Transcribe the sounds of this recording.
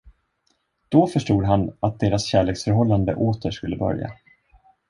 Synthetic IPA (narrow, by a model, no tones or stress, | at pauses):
d̪̥ɔfœʂʈuːd̪ɦanat̪̚d̪eːɾasɕæːɭeːksfœɾɦɔlːand̪ə̰ʔoːt̪əʂkɵlːəbœ̰ɾja̰